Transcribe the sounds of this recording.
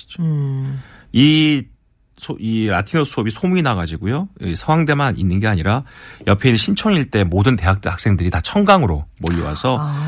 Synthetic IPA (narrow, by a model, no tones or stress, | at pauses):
o | i | sʰoiɾa̰tʰiŋʌsʰuʌbisʰomuinaɡad͡ʑiɡojoisʰʌŋwaŋde̞maninːɯnɡe̞aɲiɾajʌpʰe̞inːɯnɕʰint͡ɕʰʌɲiɭt͈e̞modɯnte̞ɦak̚tak̚s͈e̞ŋdɯɾitat͡ɕʰʌŋɡaŋɯɾomʌʎːowa̰sʰʌ